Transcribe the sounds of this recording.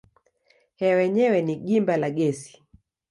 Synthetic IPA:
hɛwɛɲɛwɛniɠimbalaɡɛsi̥

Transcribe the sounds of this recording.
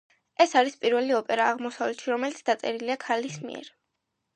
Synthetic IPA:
ɛsaɾispʼiɾvɛliɔpʼɛɾaːʁmɔsavlɛt̪ʃiɾɔmɛlit̪sʰd̪at̪sʼɛɾiliakʰalismḭʔɛ̰ɾ

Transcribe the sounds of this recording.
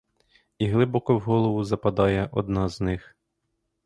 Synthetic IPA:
iɦlˠɪbɔkɔwɦɔlˠɔʋʊzɐpɐd̪ɑjɛʔɔd̪nɑznɪx

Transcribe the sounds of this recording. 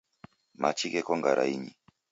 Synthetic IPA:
mat͡ʃikɛkɔŋɡaɾa̰iɲi

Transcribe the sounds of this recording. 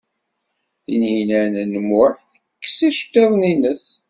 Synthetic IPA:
θinhinænənəmʊθə̥kːə̥siʃt̪ːeðˤninəs

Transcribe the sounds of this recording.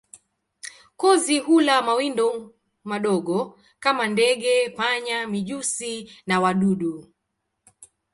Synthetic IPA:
kɔziɦulamawindɔ | maɗɔɠɔ | kamandɛɠɛpaɲamiʄusinawaɗuɗu

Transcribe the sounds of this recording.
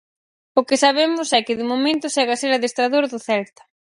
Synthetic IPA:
ʊkɪsaβemʊsɛkɪðʊmomẽnt̪ʊsɛɣaseɾɐðest̪ɾaðoɾðʊθɛlt̪ɐ̥

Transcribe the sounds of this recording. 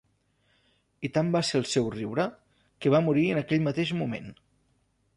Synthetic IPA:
it̪ambaseɾəlˠsɛwriwɾə | kəβ̞amuɾiənəkɛʎmət̪eʒmumḛn

